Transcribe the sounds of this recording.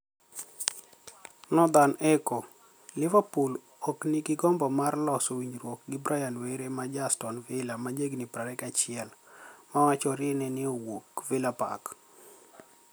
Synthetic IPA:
nɔd̪anɛkɔ | lɪvapul | ɔknɪɡɪɡɔmbɔmarlɔsowiɲɾwok̚ɡɪbɾʔajalweɾemad͡ʒastɔnvɪlamad͡ʒeɡnipɾaɾɛkat͡ʃɪɛlmawat͡ʃɔɾɪnɛnɪowokvɪlapa̰k

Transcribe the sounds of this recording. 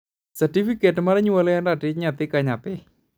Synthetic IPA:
satifiketmaɾɛɲuwalɛjandatɪt͡ʃɲat̪ɪkaɲapɛ

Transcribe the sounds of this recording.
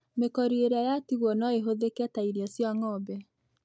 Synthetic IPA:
mekɔɾieɾeajatiɣwɔnɔeɦoðekɛtaiɾiɔsjaŋɔbɛ

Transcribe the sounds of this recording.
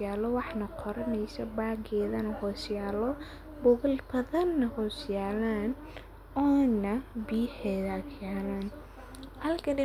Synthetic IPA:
jaːlɔwɑħnɐqʰɔɾɐnɛjsɐbaːɡɛːðɐnɐhɔːsjaːlɔ | bʊɣɐlbɐðɐnːɐhɔːsjaːlaːn | ɔːnɐbiːħɛːðɐkjaːlaːn | hɐlkʰɐdɪ

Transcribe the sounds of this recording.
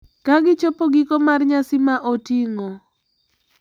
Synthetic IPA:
kaɡɪt͡ʃopoɡikomarɲasimaʔotiŋo

